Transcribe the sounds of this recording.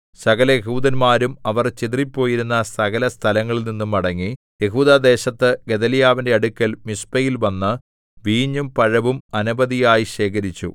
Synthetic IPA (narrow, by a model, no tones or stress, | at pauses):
sɐɣɐlɐjeɦuːd̪ɐnmaːɾumɐʋɐrt͡ɕit̪ripːo̞ːjiɾunːɐsɐɣɐlɐst̪ʰɐlɐŋːɐɭilninːumɐɽɐŋːi | je̞ɦuːd̪aːd̪e̞ːɕɐt̪ːɨɡe̞d̪ɐlijaːʋinde̞ɐɽukʲːɐlmispɐjilʋɐnːɨ | ʋiːɲːumpɐɻɐʋumɐnubɐðijaːjiɕe̞ːkɐɾit͡ɕːṵ